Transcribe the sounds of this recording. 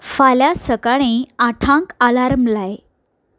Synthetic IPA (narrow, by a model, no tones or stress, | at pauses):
faljasəkaɽ̃eaʈʰãŋkalaɾmlaj